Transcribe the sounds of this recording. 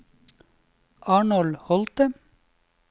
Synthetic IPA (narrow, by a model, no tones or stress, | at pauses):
ʔɑːɳɔlhɔlt̪ə